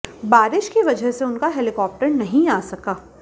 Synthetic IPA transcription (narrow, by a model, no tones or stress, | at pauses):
baːɾɪʃkiʋɐd͡ʒʱəɦseʊnkaɦɛlɪkɔːp̚ʈəɾnɐɦĩaːsɐkaː